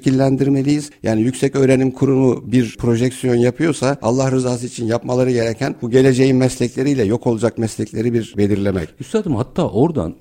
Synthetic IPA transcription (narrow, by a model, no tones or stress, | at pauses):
cʰilʲːænd̪iɾme̞lʲijiz̥ja̰ːnijycʲsɛcø̞ːɾe̞nimkʰuɾunubiɾpʰɾo̞ʒɛcsijo̞njapʰɯjo̞saa̰lˠːahɾɯzaːs̬ɯit͡ʃʰinjapmalˠaɾɯɟe̞ɾecʰænbuɟe̞lʲe̞d͡ʒe̞jinmɛslʲɛclʲe̞ɾijlʲɛjo̞kʰo̞lˠud͡ʒak̚mɛslʲɛclʲe̞ɾibiɾbe̞lʲiɾlʲe̞mɛ̰cyst̪ad̪imhat̪ʰːaːʔo̞ɾd̪a̰n